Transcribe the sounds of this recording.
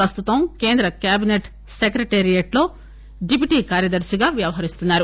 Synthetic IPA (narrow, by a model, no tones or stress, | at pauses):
ɾɐst̪ut̪ɐmke̞ːnd̪ɾɐkjaːbineʈ | sekɾɐʈeːɾijɐʈlo̞ː | ɖip̬iʈiːkaːɾjɐd̪ɐɾsɐɡaːʋjɐʋɐɦɐɾist̪unːaːɾu